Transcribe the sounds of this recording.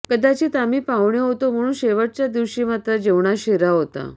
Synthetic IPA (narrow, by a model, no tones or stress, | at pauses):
kəd̪ʱat͡ɕiːt̪amiːpaʋɳjeɦot̪om̤əɽ̃uːnɕeʋəʈ̚t͡ɕjad̪iʋɕiːmat̪ɾəd͡ʑeʋɳaɕeɾaɦot̪a̰